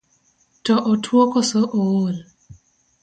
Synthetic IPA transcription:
tɔʔotʰwokɔsoʔowol

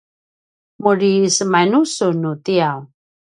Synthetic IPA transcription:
muɾisəmanusunutiaw

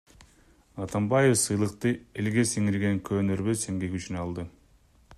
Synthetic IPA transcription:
ɑt̪ambajefsɯjlˠɯqt̪ɯe̞lɡe̞siŋiɾɡe̞ŋkʰøːnøɾβøseŋɡekyt͡ʃynɑlˠd̪ɯ

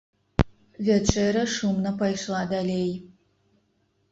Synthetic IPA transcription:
vʲɛt͡ʃʰʼeɾɐʂumnɐpʰɐjʂlaːd̪ɐleːj

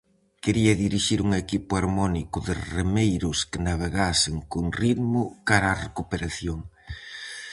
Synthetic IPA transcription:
keɾiɐðiɾiʃiɾuŋekipʊaɾmɔnikʊðɪremejɾʊskɪnaβeɣasɪŋkoŋriðmʊkaɾaːrekupeɾaθjoŋ

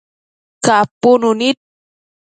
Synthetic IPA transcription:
kapununit̪̚

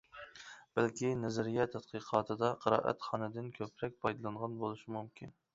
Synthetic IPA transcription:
b̥ælkʲʰinɛzɪɾɡʲɛt̪ʰɛt̪qʰɨqʰɑːt̪ʰɨd̪ɑqʰəɾɑ̰ːʔæ̰t̪χɑnɨd̪ɪnkʲʰøpɾɛk̚ʲpʰɑjd̪ɨlˠɑɴʁɑnbolˠuʃimumkʲin

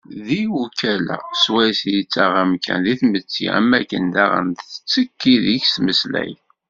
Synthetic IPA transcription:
ðiwukælæ̰swæjsjət͡sːaʁæmkʰæ̰nðiθmət͡sːḭæ̰mːækːənd̪æʁə̰nt̪θə̥t͡sːəkːiðiçsməslæ̰j

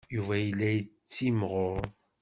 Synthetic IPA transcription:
juvæjəlːæjət͡sːimʁʊɾ

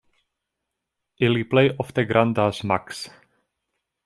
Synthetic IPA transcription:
ʔɪliplɛjʔɔft̪ɛɡɾʔand̪asmaks

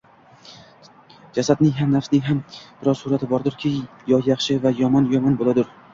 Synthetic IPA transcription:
d͡ʒasad̪nɪŋɦamnafsnɪŋɦamb̥ɪɾɒzsʊɾat̪ʰɪbɒɾd̪ʊɾkʲʰɪ | jɒjaχʃɪvajɒmɒnjɒmɒnbolˠad̪ʊɾ

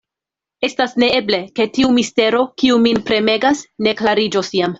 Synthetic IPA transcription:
e̞stasne̞e̞ble̞ke̞tiumiste̞ɾo̞kiuminpɾe̞me̞ɡasne̞klaɾid͡ʒo̞sjam

